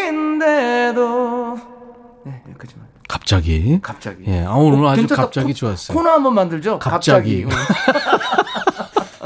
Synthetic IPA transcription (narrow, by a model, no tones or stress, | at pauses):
ndedo | ek | kḁp̚t͡ɕ͈aɡikapt͡ɕaije̞̰auɾad͡ʑukkap̚t͡ɕ͈aɡit͡ɕoass͈ʌonaɦambʌnmandɯɭd͡ʑokaat͡ɕ͈aɡi